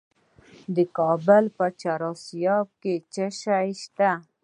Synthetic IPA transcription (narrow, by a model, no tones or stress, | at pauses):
d̪əkɑbəlpət͡ʃaɾɑsijɑb̚ket͡ʃaʃaiʃt̪a